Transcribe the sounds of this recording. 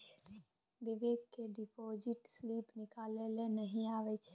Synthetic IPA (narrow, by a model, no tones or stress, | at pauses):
ʋɪʋeːɡ̚keɖɪpoːd͡ʒɪʈsliːpnɪkaːlelenəɦĩaːʋet͡ʃʰ